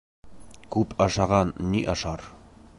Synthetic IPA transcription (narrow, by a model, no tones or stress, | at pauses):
kʉpʰɑʃɑʁɑnːiʔɑʃɑɾ